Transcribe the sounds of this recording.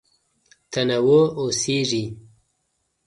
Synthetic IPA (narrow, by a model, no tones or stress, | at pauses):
t̪ʰɐnawooseʐi